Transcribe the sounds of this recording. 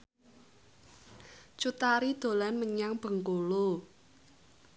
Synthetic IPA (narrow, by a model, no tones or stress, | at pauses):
t͡ʃut̪aɾid̪̥o̤lanməɲaŋb̥ə̤ŋkolo